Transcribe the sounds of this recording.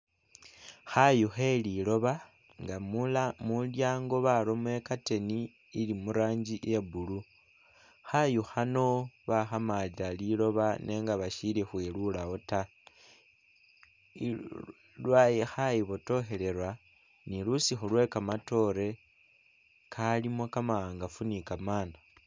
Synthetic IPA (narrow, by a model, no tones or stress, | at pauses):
xajuxe̞lilo̞βa | ŋɡamulamuljaːŋɡo̞βalomwe̞kate̞niː | limuɾaːɲd͡ʒiʔjebulu | xajuxano̞βaxamad͡ʒalilo̞βanʔe̞ːŋɡaβaʃilexwelulaota | lwajixajiβoto̞xe̞le̞ɾwa | nilusixulwe̞kamato̞ɾe̞ | kʰalimokamaaːŋɡafunikamaːna